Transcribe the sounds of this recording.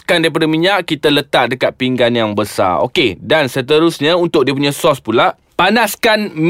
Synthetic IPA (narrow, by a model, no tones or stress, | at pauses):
kandaip̬adəmiɲaʔkit̪alət̪aʔ̚dəkat̪̚piŋɡanjaŋbəsa̰o̰kedansət̪əɾusɲaunt̪ʊk̚diəpuɲajsɔspulaʔ | panaskanm